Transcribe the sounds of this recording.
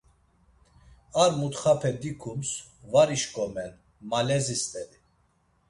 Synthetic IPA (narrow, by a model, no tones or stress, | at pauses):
aɾmut̪χapʰɛd̪ikʰumsvaɾiʃkʼɔmɛn | malɛzist̪ʼɛli